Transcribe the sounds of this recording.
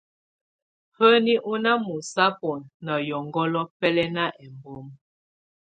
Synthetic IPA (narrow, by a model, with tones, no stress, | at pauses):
hə˦ni˦ʔu˦na˦mu˨sa˦pɔ˨nnə˨jɔ˨ŋɡɔ˦lɔ˦pɛ˦lɛ˦na˦ʔɛ˨mbɔ˦m